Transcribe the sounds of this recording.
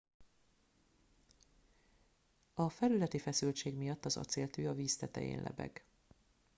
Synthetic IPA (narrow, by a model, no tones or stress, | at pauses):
ɒfɛlylɛt̪ifɛsylt͡ʃeːɡmijɒt̪ːɒzɒ̰t̪seːlt̪yːɒviːst̪ɛt̪ɛ̰jḛːnlɛ̰bɛ̰ɡ̥